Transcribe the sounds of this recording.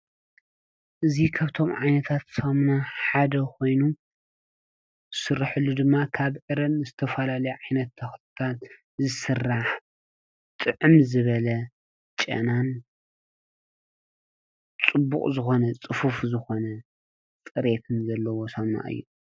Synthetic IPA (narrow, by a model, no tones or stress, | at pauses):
ʔɨzikʰaβt̪ʰo̞mʕajnɐt̪ʰat̪somnaħad̪ɐkʰo̞jnu | zɨsɨrːaħɨlːud̪ɨmːakʰaβʕɨɾɐnɨzɨt̪ʰɐfɐlalɐjuʕajnɐt̪ʰːɐxt̪ɨt̪ʰat̪ | zɨsɨrːaħ | t̪ʼɨʕɨmzɨβɐlɐ | t͡ʃʼɐ̰nan | t͡sʼɨbːṵkʼzɨxo̞nɐt͡sʼɨfufzɨxo̞nɐ | t͡sʼɨɾe̞t̪ʰɨnzɐlːɐwo̞sɐmna̰ʔɨ̰jːu